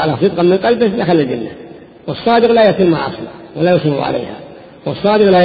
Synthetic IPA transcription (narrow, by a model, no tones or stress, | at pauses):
ʕalasɨt̪̚ˤqɑmːɪnqɑlbɪhlaxalːad͡ʒɪnːa | wɑsˤːɑːd̪ɪqlajaʕt̪ɪlma̰ʔɑ̰sˤlɑ̰walajʊsʊnṵʕa̰la̰ːha̰ | wɑsˤːɑːd̪ɪqla